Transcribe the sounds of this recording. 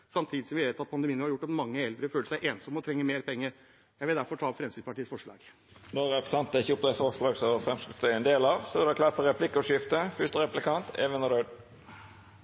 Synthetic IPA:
sɑmt̪ʰiːd̪ɪsɔmʋɪʋeːt̪ɑt̪̚pʰɑnd̪əmiːənəhɑɾjʊʈːɑt̪mɑŋːəɛld̪ɾəføːləsæɪʔeːnsɔmɔt̪ʰɾɛŋːəmeːɾpʰɛŋːəɾ | jæɪʋɪld̪æɾfɔʈʰɑːfɾɛmsinspɑʈʰiːəsfɔʂɭɑ̰ːɡ̥ | noːɾɛpɾəsɑnt̪əɪçəʊpd̪ɛsɔʂlɑːɡsɔfɾɛmskst̪ɛɛnd̪eːlɑʋsɔd̪ɛkʰlɑsəɾɛpʰlɪkːʊʂɪft̪əfʏʂt̪əɾɛplɪkʰɑnt̪ʰɛ̰ʋənɔɾœʏd̪

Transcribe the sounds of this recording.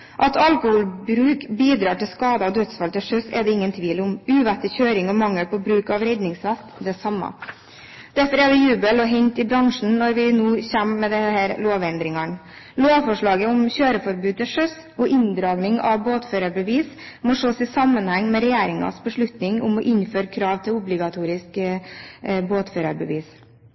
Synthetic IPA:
ʔɑt̪ʰɑlkʊhuːlbɾʉːkbiːd̪ɾɑːʈɪlskɑːd̪əɑd̪œt̪sfɑlt̪ʰɪlʂœsɛd̪ɛɪŋːənt̪ʰʋiːlʊmʉːʋæt̪ːɪçøːɾɪŋɔmɑŋːəlpɔbɾʉːkɑʋɾɛd̪nɪŋsʋæt̪d̪ɛsɑmːɑ̰ | d̪̥æɾfɔɾɛd̪ɛjʉːbəlɔɦɛɲt̪ɪbɾɑŋʂɳn̩nɔɾʋɪnuːçæmːɛd̪ɛhæːɾloːʋɛnd̪ɾɪŋɑɳ | loːʋfɔʂɭɑːɡəʊmɕøːɾəfɔɾbʉːd̪əʂœs | ɔʔɪnd̪ɾɑːɡnɪŋɑʋboːt̪føːɾɑbəʋiːs | mɔʂoːsɪsɑmːənhæŋːmɛɾɛjæːɾɪŋɑ̰sbəʂɭʉt̪nɪŋʊ̰mɔʔɪnːføːɾkʰɾɑːʋt̪ʰɪlʊblɪɡɑt̪ʰuːɾɪsk | boːt̪føːɾɑɾbəʋiːs

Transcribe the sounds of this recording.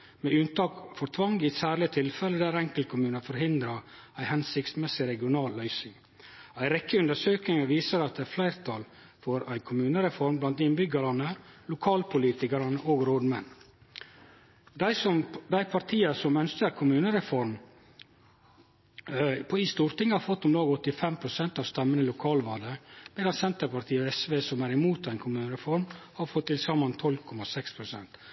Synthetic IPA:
meːʉnt̪ɑːkfɔɾt̪ʰʋɑŋɡiːsæːɾlɪət̪ʰɪlfɛləd̪ææːɾɛŋkəl̚kʰʊmʉːnəfɔɾɦɪnd̪ɾɑ | æɪhɛnsɪktsmɛsɪɾɛɡɪʊnɑːlːœʏsɪŋ | æɪɾɛkːəʉnd̪əʂøːknɪŋəʋiːsəɾɑt̪̚d̪ɛæɾflæɪɾt̪ʰɑl | fɔɾæɪkʰʊmʉːnəɾɛfɔɾmblɑnt̪ɪnbʏɡəɾɑnəlʊkʰɑːlpʰʊliːt̪ɪkəɾɑnəʔoːɡɾoːd̪mɛnː | d̪æɪsɔmd̪æɪpʰɑɾt̪ʰiːəsɔmœnskəɾkʰʊmʉːnəɾɛfɔɾm | pʰɔiːst̪uːɾt̪ɪŋːəhɑːɾfɔt̪ːʊmd̪oːɡɔt̪ːɪfɛmpʰɾʊsɛnt̪ɑːʋst̪ɛmːənəɪlʊkʰɑːlʋɑːɖ̪əb̥ɛɾɑnsɛnt̪əɾpɑɾt̪ʰiːɔɛsʋeːsɔmæːɾɪmuːt̪æɪnkʰʊmʉːnəɾɛfɔɾmhɑɾfɔt̪ʰːɪlsɑmːɑnt̪ʰɔlkʰɔmɑsɛkspʰɾʊsɛ̰nt̪

